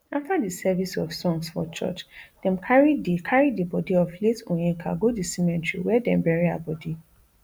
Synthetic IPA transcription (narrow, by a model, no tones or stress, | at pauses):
aftadisɛvisɔfsɔ̃ŋsfɔ̰t͡ʃɔ̰t͡ʃd̥ɛ̃mkʰaɹidikʰaɹidibɔdiɔfletõjĩŋkʰa̰ɡodisĩmɛ̃ntɹḭwɛdɛ̃mbɛɹia̰bɔdi